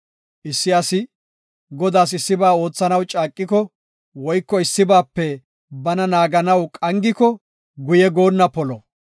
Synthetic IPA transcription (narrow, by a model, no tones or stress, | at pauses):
ʔɪsːɪɐsɪ | ɡɔd̪aːsɪsːɪbaːo̞ːt͡sːɐnɐwt͡ʃʼaːkʼːɪkɔ | wɔjkːɔɪsːɪbaːpːɛ | bɐnɐnaːɡɐnɐwkʼɐŋɡɪkɔ | ɡʊjɛɡo̞ːnːɐpɔlɔ